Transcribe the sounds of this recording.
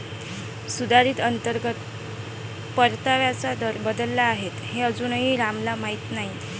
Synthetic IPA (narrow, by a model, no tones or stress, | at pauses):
sud̪ʱaɾiːt̪ənt̪əɾɡət̪̚ | pəɾt̪aʋjat͡sad̪əɾbəd̪əlːaːɦet̪heəd͡zunɦiːɾamlamait̪naɦi